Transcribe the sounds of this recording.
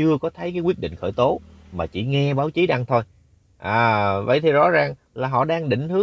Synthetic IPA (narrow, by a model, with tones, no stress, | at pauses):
ɨ˧əkɔ˨˦t̪ʰə˨˦jkaː˨˦kwi˦˥əɗḭ˧˨ŋ̟xəː˧˩jt̪o˨˦maː˨˩t͡ɕi˧˩ŋɛ˧ɓaː˨˦wt͡ɕi˨˦ɗa˧ŋt̪ʰo˧j | ʔaː˨˩və̰˧˨jt̪ʰi˨˩zɔ̰˧˥zaː˨˩ŋ | laː˨˩ɦɔ̰˧˨ɗaː˧ŋɗḭ̈˧˨ŋ̟t̪ʰɨ˨˦